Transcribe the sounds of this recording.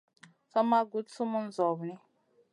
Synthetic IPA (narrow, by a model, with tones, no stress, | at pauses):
sɔ˦ma˦ɡu˨˦tsu˦mu˦n̩˦zɔ˨βni˦